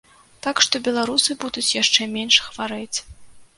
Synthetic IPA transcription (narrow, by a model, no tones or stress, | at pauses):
t̪akʂt̪ɔbʲɛlˠaɾusɨbud̪ut͡sʲjaʂt͡ʂɛmʲenʂxvaɾɛt͡sʲ